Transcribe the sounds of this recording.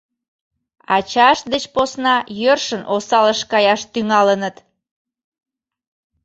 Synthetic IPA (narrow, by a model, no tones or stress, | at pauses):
ɑt͡ɕɑʃd̪et͡ɕposnɑjørʃənʔosɑləʃkɑjɑʃt̪yŋɑlənət̪